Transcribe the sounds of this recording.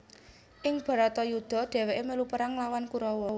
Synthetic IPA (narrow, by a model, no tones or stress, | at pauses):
ʔɪŋb̥ä̤ɾat̪ɔjud̪̥ɔ̤ɖ̪̥ɛ̤wɛʔeməlupəɾaŋlawankuɾɔwɔ